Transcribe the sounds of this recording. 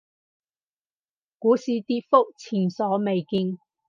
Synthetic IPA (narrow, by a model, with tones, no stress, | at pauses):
kuː˨˧˥siː˨˧t̪iː˧t̚fo˥k̚t͡sʰiː˨˩nsɔː˨˥me˨jki˧ŋ